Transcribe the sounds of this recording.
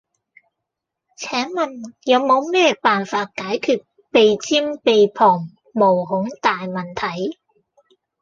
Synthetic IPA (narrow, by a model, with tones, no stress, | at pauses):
t͡sʰɛː˨˥ŋmɐ˨njɐ˨˧wmo˨˧wmɛː˥paː˨nfaː˧t̚kaː˨˥jkʰyː˧t̚ | pe˨jt͡siː˥mpe˨jpʰɔː˨˩ŋ | mo˨˩wɦʊ˨˥ŋt̪aː˨jmɐ˨˩nt̪ʰɐ˨˥j